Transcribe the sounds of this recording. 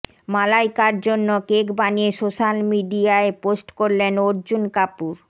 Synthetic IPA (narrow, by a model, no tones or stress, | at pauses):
malajkaɾd͡ʑonːokekbaniesoʃalmiɖiaeposʈkoɾlenoɾd͡ʑunkapuɾ